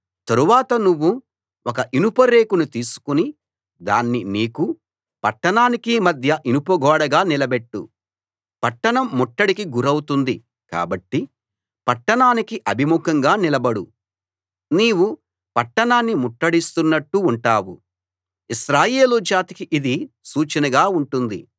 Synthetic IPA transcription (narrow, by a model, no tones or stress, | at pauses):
t̪ɐɾuʋaːt̪ɐnuʋːu | wɔkɐʔinupɐɾe̞ːkunut̪iːsu̥kuni | d̪aːnːiniːku | pɐʈːɐɳaːnikimɐd̪ʱjɐʔinupɐɡɔːɽɐɡaːnilɐbeʈːṵ | pɐʈːɐɳɐmːɔʈːɐɽikiɡuɾɐwut̪und̪i | ka̰ːbɐʈːi | pɐʈːɐɳaːnikiʔɐbʱimukɐŋɡaːnilɐbɐɽu | niːwu | pɐʈːɐɳaːnːimuʈːɐɽist̪unːɐʈːuːɳʈaːwṵ | isɾaːje̞ːlud͡ʒaːt̪i̥kiʔid̪isuːt͡ʃɐnɐɡaːuɳʈund̪ḭ